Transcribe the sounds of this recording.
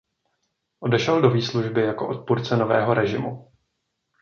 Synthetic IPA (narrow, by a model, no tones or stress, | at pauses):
ʔo̞dɛʃɛldo̞viːsluʒbɪjako̞ʔo̞t̪̚puɾt͡sɛno̞vɛ̰ːɦo̞ɾɛʒɪmu